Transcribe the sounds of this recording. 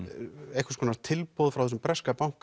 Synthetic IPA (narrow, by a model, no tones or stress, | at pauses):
ejhkʰvḁɾskʰɔːnaɾ̥t̪ʰɪlpowðfɾawθɛsʏmpɾɛskapawŋ̥k